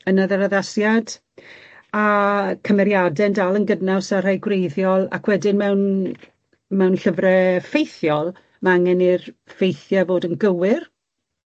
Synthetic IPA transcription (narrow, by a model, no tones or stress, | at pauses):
ənaðaɾaðasjad | akʰəmɛɾjadɛndaːlˠənɡədnasar̥ajɡwrejðjɔlˠa̰kʰwɛdɪnmɛwn | mɛwnɬəvrɛfejθjɔlˠ | maaŋɛnirfejθjavoːdənɡəwɪr